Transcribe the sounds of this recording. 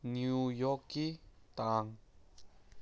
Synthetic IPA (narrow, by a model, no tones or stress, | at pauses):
nuujɔkit̪aŋ